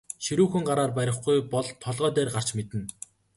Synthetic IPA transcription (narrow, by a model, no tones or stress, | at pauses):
ʃiɾuːxɘ̆ŋɢaɾaːrpæɾʲɪ̆χɡujpɔɮt̪ʰːɔɮʁœːt̪eːrɢar̥t͡ɕmet̪ɘ̆n